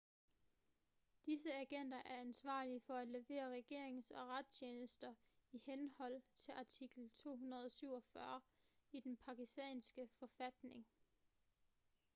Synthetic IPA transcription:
d̥isəæɡ̥en̰d̥ɐʔæɐænsʋɑ̰̈ːliəfɒ̽æ̥le̝ʋe̝̰ːɐʁɛɡ̥e̝ɐe̝ŋ̩sɒ̽ʁɑd̥sʰeːnəsd̥ɐ | ihenhɒ̽l̰t͡sʰe̝lʔɑ̈t͡sʰiɡ̥l̩t͡sʰo̝̰ːɦunɐð̞ˠɒsyʊ̰ɒfɶɐ | id̥enpʰɑ̈ɡisd̥ɛ̰ːnsɡ̥əfɒ̽fæd̥ne̝ŋ

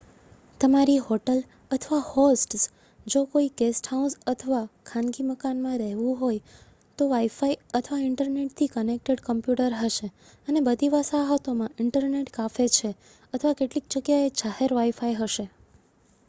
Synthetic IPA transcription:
t̪əmaɾiɦoʈəl | ət̪ʰəʋahosʈs | d͡ʒokoiɡesʈhaũsət̪ʰəʋakʰãnɡiməkanmãɾɛɦʋũɦoj | t̪oʋaifaiət̪ʰəʋaɪɳʈəɾneʈ̚t̪ʰikənek̚ʈeɽkəmpjuʈəɾɦəʃe | ənebəd̪ʱiʋasaɦət̪omãɪɳʈəɾneʈkafet͡ʃʰe | ət̪ʰəʋakeʈlik̚d͡ʒəɡjaed͡ʒaheɾʋaifaiɦəʃe

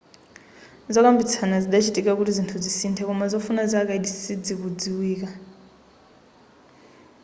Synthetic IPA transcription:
zɔkambit͡sʰanaziɗat͡ʃʰitʼikakuɾizintʰud͡zisintʰɛkɔmazɔfunazak̬aidisid͡zikud͡ziwiːka

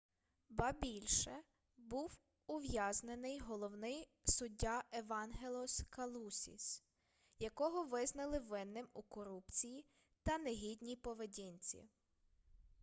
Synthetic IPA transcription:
bɐbʲilʲʃɛ | buw | ʊʋjaznenɪjɦɔlˠɔwnɪj | sʊdʲːɑʔeʋɑnɦelˠɔskɐlˠusʲḭs | jɐkɔɦɔʋɪznɐlˠɪʋɪnːɪmukɔɾupt͡sʲiji | t̪ɐneɦʲidʲnʲipɔʋedʲinʲt͡sʲḭ

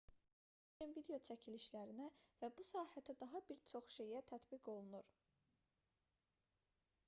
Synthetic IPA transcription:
invid̪e̞o̞t͡ʃʰæcʰiliʃlæɾinævæbusɑːhæt̪ʰæd̪ɑɦɑbiɾt͡ʃʰo̞χʃe̞jæt̪ʰæt̪biɡo̞lˠunuɾ

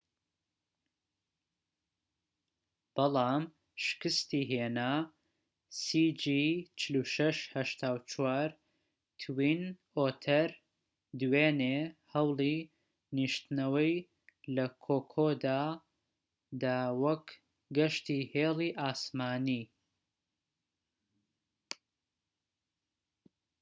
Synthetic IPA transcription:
b̥ɐlˠɑːm | ʃɨ̥kɨst̪iːɦeːna | siːd͡ʒit͡ʃʰɪluʃɐʃhɐʃt̪ʰaːwt͡ʃʰwaːɾ | t̪ʰwin | oːt̪ʰɐɾ | d̪weːnehɐwlˠi | niʃt̪nɐwɐj | lɐkʰoːkʰoːd̪aː | d̪awɐk | ɡɐʃt̪iːheːliʔaːsmaːni

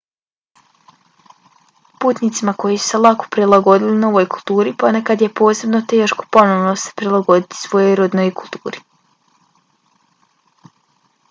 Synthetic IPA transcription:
puːt̪nit̪simako̞jisu̥se̞lˠako̥pɾilˠaɡo̞d̪ilinao̞ʋojkulˠt̪uːɾipo̞nekad̪je̞po̞ːse̞bno̞t̪eːʃko̞̥po̞noʋnose̥pɾilˠaɡo̞d̪it̪i̥sʋo̞jojɾod̪nojkulˠt̪uːɾi

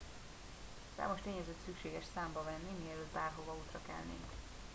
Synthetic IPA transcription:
sa̰ːmo̞ʃt̪eːɲɛzøt̪sykʃeːɡɛʃsaːmbɒvɛnːimiɛløːt̪baːrɦovɒuːt̪rɒkɛ̰lnḛŋk

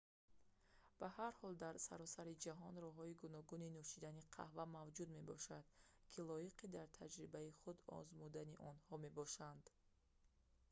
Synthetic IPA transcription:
b̥ahaɾhɔld̪aɾsa̰ɾɔsaɾid͡ʒaɦɔnɾɔɦɔiɡunɔɡuninuʃid̪aniqʰa̰hvamavd͡ʒud̪me̞bɔʃad̪̥kʰilɔjiqʰid̪aɾt̪ʰad͡ʒɾibaiχud̪ɔ̰zmud̪aniʔɔnhɔme̞bɔʃand̪

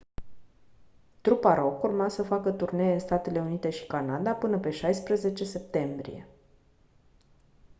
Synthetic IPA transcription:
t̪ɾupaɾo̞kurmasəfakət̪urne̞jeɨnst̪at̪e̞le̞unit̪e̞ʃi̥kanad̪apɨnəpe̞ʃajspɾəze̞t͡ʃe̞se̞p̚t̪e̞mbɾḭje̞̰

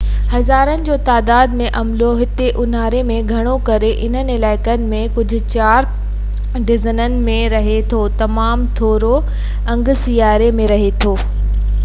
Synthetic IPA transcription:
hɐzaːɾənɪ̆d͡ʑoːt̪aːd̪aːd̪mẽʔɐmloɦɪt̪eʔʊn̤aːɾemẽɡʱɐɽ̃okɐɾeʔɪn̤ənɪɪlaːɪkənɪ̆mẽkʊd͡ʑʱʊ̆t͡ɕaːɾ | ɖɪzənənɪ̆mẽɾɐɦet̪ʰot̪ɐmaːmt̪ʰoːɾo | ɐ̃ŋɡsijaːɾemẽɾɐɦet̪ʰoː

